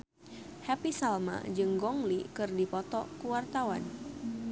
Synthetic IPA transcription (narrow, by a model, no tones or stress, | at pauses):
hɛpisalma̰d͡ʒɨŋɡɔŋlikɨrdipɔt̪ɔkuwart̪awa̰n